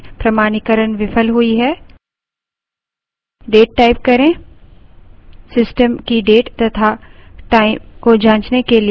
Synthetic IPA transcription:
pɾɐmaːñikəɾənʋɪfəlɦʊiɦɛː | ɖeːʈ̚ːaːɪp̚kɐɾẽː | sɪsʈəmkiɖeːʈt̪ɐt̪ʰaʈaːɪkod͡ʒãːt͡ʃnekeli

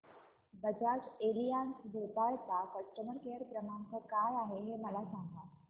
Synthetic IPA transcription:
bəd͡ʒaːʈeːlijaːnsbʱop̪ajt̪akəʃʈəməɾkeːɾkɾəmãŋkəkaːʋaɦeɦeməlasãːŋɡa

